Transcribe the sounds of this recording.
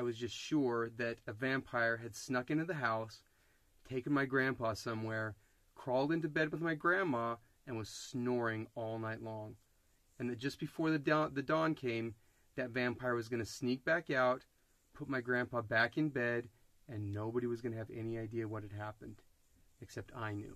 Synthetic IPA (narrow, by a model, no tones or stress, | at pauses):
aɪwʌzd͡ʒʌstʃʊɹðɨɾɨvæ̃mpʰaɪə˞ɨd̥snʌkɪ̃ntʉðɨɦaʊs | tʰeɪkɨ̃n̩maɪɡɹæ̃npʰɑsʌ̃mwɛɹ | kʰɹ̥ɔlˠdɪ̃ntʉbɛd̚wəðmaɪɡɹæ̃nmɑ | ɨ̃nwʌz̥snɔɹɪ̃ŋɔlˠnaɪtˡlɔ̃ŋ | ɨ̃nðɨt̚d̥ʒ̥ʌsb̥ɨfɔɹðɨðɨdɔ̃nkʰẽɪ̃m | ðɨtvæ̃mpʰaɪə˞wʌzɡʌñɨsnik̚b̥ækaʊt̚ | pʰʊt̚maɪɡɹæ̃npɑbækɨ̃nbɛɾ | ɨ̃nːoʊbəɾiwʌzɡʌnɨːvɛ̰niaɪdiɨwʌt̚hɨd̚ɦæpɨ̃nd̥ | ɨksɛp̚tʰa̰ɪnjʉ̰